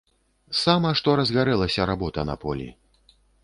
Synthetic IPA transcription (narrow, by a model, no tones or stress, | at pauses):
samɐʂt̪ɔɾɐzɣaɾɛlˠɐsʲɐɾabɔt̪ɐnɐ̰pɔlʲḭ